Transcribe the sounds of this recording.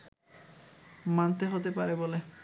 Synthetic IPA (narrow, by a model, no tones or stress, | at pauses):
mant̪eɦot̪epaɾebole